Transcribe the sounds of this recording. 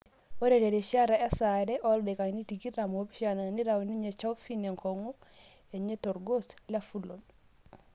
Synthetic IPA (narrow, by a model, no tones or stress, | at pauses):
oɾeɾeɾeʃaɾaesaɾeʔoldekanitiɡiɾamobiʃananiɾawniɲet͡ʃawfineŋkoŋu | eɲetoɾɡoslafulol